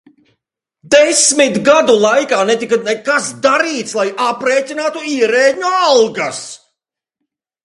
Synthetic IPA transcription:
d̪ɛsmit̪ɡad̪ulˠajkaːnɛt̪ikanɛkasd̪aɾiːt̪slˠajapɾeːt̪ʲinaːt̪uiɛɾeːɲualˠɡas

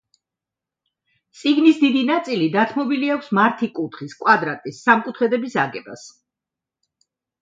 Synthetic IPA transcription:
t̪sʼiɡnisd̪id̪inat̪sʼilid̪at̪ʰmɔbiliakʰsmaɾt̪ʰikʼut̪ʰχiskʼwad̪ɾat̪ʼisːamkʼut̪ʰχɛd̪ɛbisaɡɛba̰s

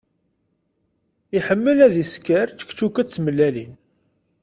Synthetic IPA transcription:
iħəmːəlæðiskəɾt͡sːə̥kt͡ʃːukæt͡sːməlːælin

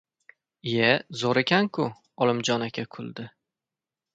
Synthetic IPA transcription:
jezoɾekʲankʰʊ | ɒlˠɪmd͡ʒɒnakʲʰakʰʊlˠd̪ɪ

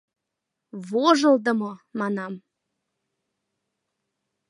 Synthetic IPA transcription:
βoʒə̆lˠd̪ə̆momɑnɑm

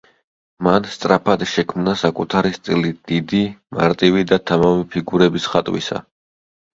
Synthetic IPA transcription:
manst̪sʼɾapʰad̪ʃɛkʰmnasakʼut̪ʰaɾist̪ʼilid̪̥id̪ima̰ɾt̪ʼivid̪at̪ʰamamipʰiɡuɾɛbisχat̪ʼwḭsa̰

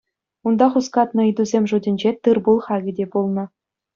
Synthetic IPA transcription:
und̪ɑχuskɑt̪nɤ̆id̪uzʲemʲʐudʲɘ̆nʲd͡ʑet̪ɯrbulˠχɑɡʲɘ̆dʲebulˠnɤ̆

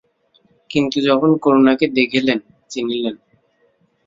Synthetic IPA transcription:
kint̪ud͡ʑɔkʰonkoɾonaked̪ekʰilen | t͡ɕinilen

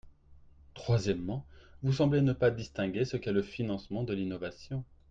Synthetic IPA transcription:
t̪χwazjɛmːɑ̃vus̬ɑ̃blenəpad̪ist̪ɛ̃ɡʲesəkɛləfinɑ̃smɑ̃d̪əlinɔvasjɔ̃

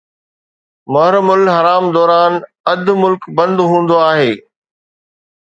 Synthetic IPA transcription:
mɐɦɾmʊlɦɐɾaːmd̪ɔːɾaːn | ɐd̪mʊlkbɐ̃nd̪ɦũːn̆d̪oaːɦeː

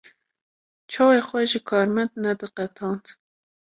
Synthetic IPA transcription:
t͡ʃʰɑːweːxwɛʒɪkʰɑːɾmɛnd̪nɛd̪ɨqɛt̪ʰɑːnt̪

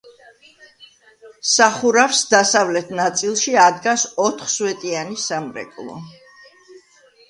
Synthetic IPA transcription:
saχuɾafsd̪asavlɛt̪ʰnat̪sʼilˠʃiad̪ɡasɔt̪ʰχswɛt̪ʼianisamɾɛ̰kʼlˠɔ̰

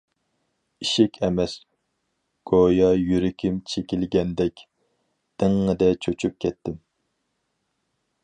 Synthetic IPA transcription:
iʃɪkʲʰɛmɛs | ɡ̥ojɑjyɾɪkʲʰɪmt͡ʃʰekʲɪlɡʲɛnd̪ɛkʲ | d̪̥ɪŋːɨd̪ɛt͡ʃʰøt͡ʃʰyp̚kʲʰɛt̪ʰːɪm

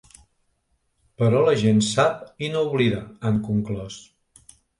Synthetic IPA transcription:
pəɾɔləʒensap̚inouβliðəaŋkuŋklɔs

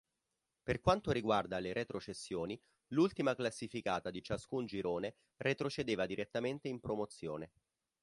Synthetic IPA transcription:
perkwant̪oɾiɡward̪aleɾʔet̪ɾot͡ʃesːjoːni | lult̪imaklasːifikaːt̪ad̪it͡ʃaskund͡ʒiɾoːne | ret̪ɾot͡ʃed̪eːvad̪iɾʔet̪ːament̪eimpɾomot̪sːjoːne

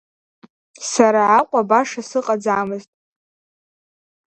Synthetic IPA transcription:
saɾaʕaqʷʼabaʂasɨqʼad͡zamɨztʼ

